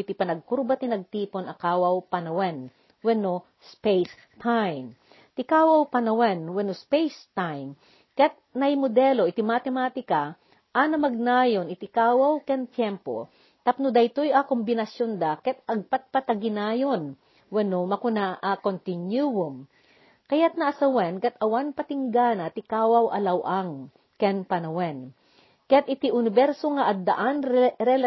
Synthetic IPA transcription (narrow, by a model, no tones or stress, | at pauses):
it̪ɪpɐnɐɡ̚kʊɾbat̪inɐɡ̚t̪iːponɐkaːwawpɐnɐwɛn | wɛno | spejs | t̪ʰajm | t̪ɪkaːwɐwpɐnɐwɛnwɛnospejst̪ajm | kɛt̪̚nɐjmod̪ɛloʔɪt̪ɪmat̪ɛmat̪ɪka | ʔanɐmɐɡ̚naːjonɪt̪ɪkaːwawkɛnt̪jɛmpo̰ | t̪ɐp̚nʊd̪ɐjt̪ojakombɪnɐsjond̪akɛt̪̚ɐɡ̚pat̪̚pat̪ɐɡɪnaːjon | wɛnomɐkʊnaʔakont̪ɪnjuwʊm | kɐjat̪̚nɐʔɐsɐwɛnkɐt̪ɐwanpɐt̪ɪŋɡanɐt̪ɪkaːwawʔɐ̰lɐwʔaŋ | kɛnpɐnɐwɛn | kɛt̪̚ʔɪt̪iʔʊnɪbɛɾsoŋɐʔɐd̪ːɐʔanɾɛl